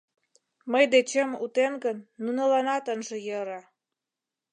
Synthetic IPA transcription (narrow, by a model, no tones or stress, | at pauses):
məjd̪et͡ɕəmut̪enɡənːunɤlɑnɑt̪ənʒə̆jəɾɑ